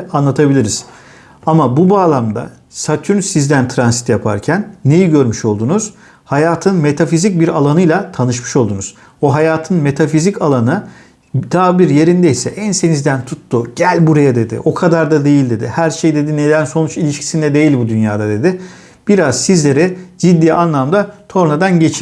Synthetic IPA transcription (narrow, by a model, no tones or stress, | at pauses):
anlˠat̪ʰabilʲiɾiz̥ | amabubaːlˠamd̪a̰ | sat̪ʰynsizd̪ænt̪ʰɾansit̪japʰa̰ɾcʰænːe̞jiɟøɾmyʃo̞lˠd̪unuz̥ | hajaːt̪ʰɯnme̞t̪ʰafizic̚biɾalˠanɯjlˠat̪ʰanɯʃmɯ̥ʃo̞lˠd̪unuz̥ | oɦajaːt̪ʰɯnme̞t̪ʰafizicalˠanɯ | d̪ʰaːbiɾje̞ɾind̪ɛisɛʔænse̞nizd̪ænt̪ʰut̪ːuɟ̥ælʲbuɾajad̪e̞d̪ɪ̰ʔo̞kʰad̪aɾd̪ad̪e̞jilʲd̪e̞d̪ɪhæɾʃejd̪e̞d̪ine̞d̪ʲænso̞nut͡ʃilʲiʃcʰi̥sind̪ɛd̪e̞jilʲbud̪ynjaːd̪ad̪e̞d̪ɪ | b̥iɾaz̥sizlʲe̞ɾɛd͡ʒid̪ːiːʔanlˠamd̪at̪ʰo̞ɾnad̪anɟe̞t͡ʃʰi